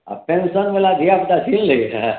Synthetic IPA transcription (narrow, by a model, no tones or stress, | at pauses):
a̰pensənmelad̪ʱiakd̪asille